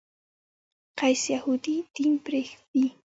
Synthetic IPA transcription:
qɑjsjahʊt̪it̪ɪmpɾexpi

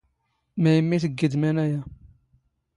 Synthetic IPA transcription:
mæjəmːiθəɡːid̪mænæjæ

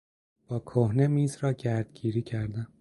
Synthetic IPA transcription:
b̥ɒːkʰohnemiːzɾɒːɟæɾd̪̥̚ɡiːɾiːcʰæɾd̪æm

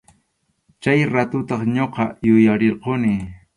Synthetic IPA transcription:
t͡ʃajɾat̪ʊt̪ɑχɲoqɑjʊjaɾeɾqonɪ

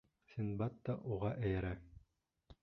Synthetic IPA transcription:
sʲinbɑt̪ːɑʔuʁɑʔæjɘ̆ɾæ

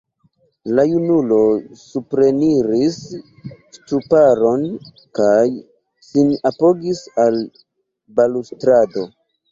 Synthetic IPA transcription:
lajunulo̞supɾe̞niɾis | stupaɾo̞n | kaj | sinapo̞ɡisal | balustɾado̞

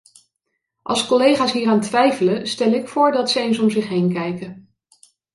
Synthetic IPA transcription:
ʔɑ̰lˠskɔlejχaːsɦiːraːntʋɛjfələstɛlˠɪkfʊːɹdɑtsəejnsɔmzɪχɦejnkɛjkən

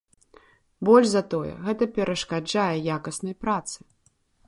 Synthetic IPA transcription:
bɔlʲʐzɐt̪ɔjɛ̰ɣɛt̪ɐpʲɛɾɐʂkad͡ʐajɛjakɐsnɐjpɾat̪sɨ̥

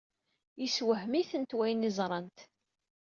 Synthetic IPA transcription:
jəswəhmiθənt̪wæjnizˤɾˤɑnt̪

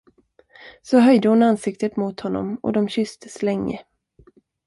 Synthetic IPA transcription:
sɔɦœjd̪əhʊnansɪk̚t̪ət̪mʊt̪hɔnːɔ̰mɔ̰d̪ɔmɕʏst̪əslɛŋːə̰

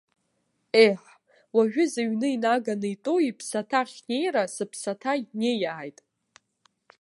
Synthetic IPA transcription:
eħ | waʒᶣʊzaɥnɨinaɡanɨjtʼoipʰsatʰaχʲne̞jrasɨpʰsatʰainejaːjtʼ

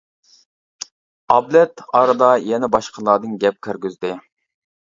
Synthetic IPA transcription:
ɑblɛt̪ɑɾɨd̪ɑjɛnɛbɑʃqʰəlˠɑːd̪ɨnɡʲɛp̚kʲʰøɾɡʲyzd̪ɪ

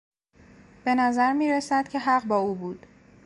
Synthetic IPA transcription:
b̥e̞næzæɾmiːɾesæd̪̥cʲʰe̞ɦæɢbɒːuːbuːd̪̥

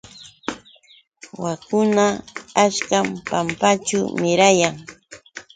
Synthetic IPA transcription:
wakʊnaːʃkampampat͡ʃʊmɪɾajaŋ

